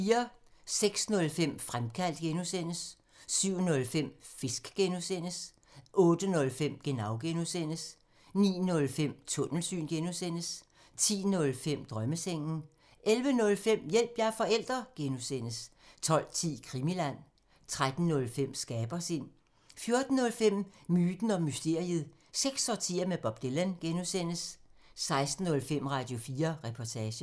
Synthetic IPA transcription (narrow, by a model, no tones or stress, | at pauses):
fiːɐseɡ̥snɔ̽lfem̰fʁamkʰæl̰d̥̚ɡ̥enusen̰əsː | yʊ̰nɔ̽lfem̰fe̝sɡ̥ɡ̥enusen̰əs | ʔɔ̽ːd̥ənɔ̽lfem̰ɡ̥e̝nɑ̈ʊɡ̥enusen̰əs | nḭːnɔ̽lfem̰t͡sʰɔ̽nl̩sy̰ːnɡ̥enusen̰əs | t͡sʰḭːnɔ̽lfem̰d̥ʁɶməseŋ̰n̩ | ʔelʋənɔ̽lfem̰jel̰b̥jɑfɒ̽el̰d̥ʁɐɡ̥enusen̰əst͡sʰɒ̽l̰t͡sʰḭːkʰʁimilæn̰ | t͡sʰʁad̥n̩ːɔ̽lfem̰sɡ̥ɛːb̥ɐsin | fjo̝ɐd̥n̩ːɔ̽lfem̰myːd̥n̩ɒ̽mysd̥e̝ɐ̰iəð̩ˠ | seɡ̥sɒt͡sʰḭːɐmeb̥ɒ̽b̥̚d̥elænɡ̥enusen̰əsːɑ̈ɪsd̥n̩ːɔ̽lfem̰ʁɑ̈d̥jo̝fiːɐʁɛpʰɒt͡sʰɛːɕə